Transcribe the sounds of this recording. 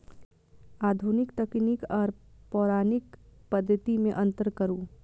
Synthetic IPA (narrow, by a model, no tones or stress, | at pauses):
aːd̪ʱunɪkt̪əknɪkɔːɾpɔːɾaːnɪkpəd̪ʱːət̪imẽʔə̃nt̪əɾkəɾuː